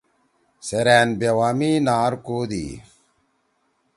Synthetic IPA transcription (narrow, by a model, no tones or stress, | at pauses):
seɾæːnbewaːmiːnaːɾkoːd̪ḭː